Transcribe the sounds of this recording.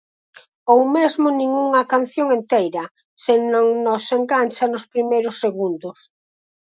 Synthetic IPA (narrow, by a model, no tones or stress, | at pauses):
owmezmʊnĩŋuŋɐkan̟θjoŋent̪ejɾɐ | sɪnõŋnoseŋɡanʲt͡ʃɐnʊspɾimejɾʊsːeɣund̪ʊs